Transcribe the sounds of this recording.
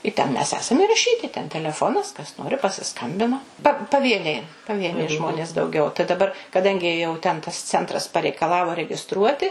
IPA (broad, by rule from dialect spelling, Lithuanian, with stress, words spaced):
ɪ tʲɛn mʲɛs ˈæːsɐm ɪrɐˈʃʲiːtʲɪ tʲɛn tʲɛlʲɛˈfoːnɐs kɐs ˈnoːrʲɪ pɐsʲɪˈskɐmʲbʲɪnɐ pɐ pɐˈʋʲiɛnʲɛɪ pɐˈʋʲiɛnʲɛɪ ˈʒmoːnʲeːs dɐʊˈɡʲɛʊ tɐɪ dɐˈbɐr kɐˈdɐŋʲɡʲɪ jɛʊ tʲɛn tɐs t͡sʲɛntˈrɐs pɐrʲɛɪkɐˈlˠɑːʋoː rʲɛɡʲɪˈstruɔtʲɪ